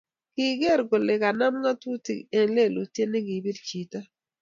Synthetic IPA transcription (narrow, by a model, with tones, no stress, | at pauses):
ɡ̥ɪ˨ɡe˦˨ɾɡo˨lɪ˨ka˨na˦mŋa˦tu˦tḭ˨e˨nle˦˨lu˨tje˦nɪ˦ɡi˨bi˦dt͡ʃi˨ta˦